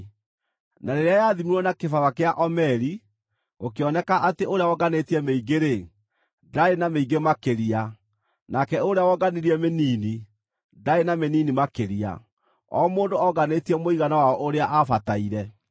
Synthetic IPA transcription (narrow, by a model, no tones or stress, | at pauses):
naɾeɾeajaðimuɾɔnakefawakeaʔɔmɛɾi | okeɔnɛkaʔateʔoɾeawɔɡanetiɛmeiɡeɾe | daenameiɡemakeɾia | nakɛoɾeawɔɡaniɾiɛmeniːni | daenameniːnimakeɾia̰ | ɔ̰ːmoːndoɔɣanetiɛmoiɣanawaɔʔoɾeaʔafataiɾɛ